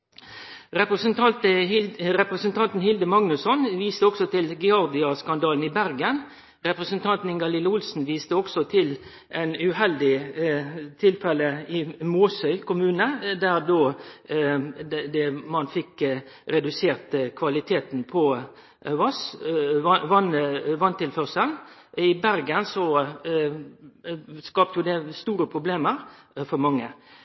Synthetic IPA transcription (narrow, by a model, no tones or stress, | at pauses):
ɾɛpəsn | ɾɛpɾəsən̩t̪ʰɑnt̪n̩hɪld̪əmɑŋnʉsɔnʋiːst̪əɔksɔt̪ʰɪlɡɛɑʁd̪ɪɑskɑnd̪ɑːln̩iːbæɾɡən | ʁɛpɾəsənt̪ʰɑnt̪n̩ɪŋɡɑlɪləʊlsn̩ʋiːst̪əɔksɔt̪ʰɪl | ʔɛɪnʉhɛld̪ɪ | t̪ʰɪlfɛləɪmoːsœʏkʰʊmʉːnəd̪æʁd̪oː | d̪ɛmɑnfɪkː | ɾɛd̪ʉseːʁt̪kʰʋɑlɪt̪ʰeːt̪n̩pʰɔ | ʋɑs | ʋɑnʋɑnt̪ɪlfœʁsənɪbæɾɡənsɔ | skɑːp̚t̪əjʊd̪ɛst̪uːɾəpʰɾʊbleːməɾfɔɾmɑŋːə